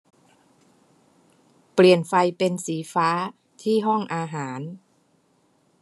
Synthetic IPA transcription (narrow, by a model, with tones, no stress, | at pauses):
pli˨˩ənfa˧jpe˧nsiː˩˦faː˦˥ | t̪ʰiː˥˩ɦɔ˥˩ŋʔaː˧ɦaː˩˦n